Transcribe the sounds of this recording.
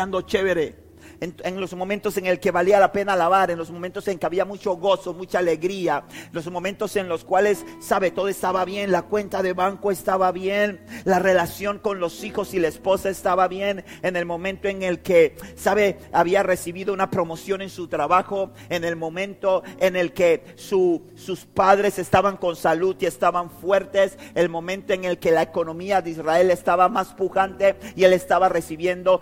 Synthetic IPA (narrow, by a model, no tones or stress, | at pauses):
and̪ot͡ʃeβeɾe | neŋlo̞zmõ̞mẽnt̪o̞se̞ŋe̞lke̞βalialape̞nalaβaɾe̞nlo̞zmoment̪ose̞ŋke̞aβiamut͡ʃo̞ɣo̞so̞mut͡ʃaːle̞ɣɾialo̞zmo̞mẽ̞nt̪o̞se̞nlo̞skwalesːaβe̞t̪o̞ðoest̪aβaβje̞nlakwe̞nt̪aðe̞βaŋkoest̪aβaβjenlare̞lasjo̞ŋko̞nlo̞sixo̞silaespo̞saest̪aβaβje̞nene̞lmõ̞mẽ̞nt̪oe̞ŋe̞lkesaβe̞aβiare̞siβiðo̞unapɾo̞mo̞sjo̞ne̞nsut̪ɾaβaxo̞ | ene̞lmõ̞mẽ̞nt̪oene̞lke̞ | su | suspaðɾe̞se̞st̪aβaŋko̞nsaluðie̞st̪aβaɱfwe̞ɾt̪e̞selmõ̞mẽ̞nt̪oe̞ŋelke̞laeko̞nõ̞miaðeisrae̞le̞st̪aβamaspuxant̪e̞ie̞le̞st̪aβare̞siβje̞nd̪o̞